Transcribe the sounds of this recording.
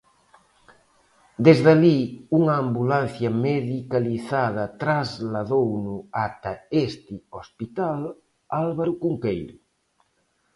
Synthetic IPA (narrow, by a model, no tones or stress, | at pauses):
d̪ezðaliuŋaːmbulanθjɐmeðikaliθað̞ɐt̪ɾazlaðownuat̪aest̪iospit̪al | alβaɾukuŋkejɾu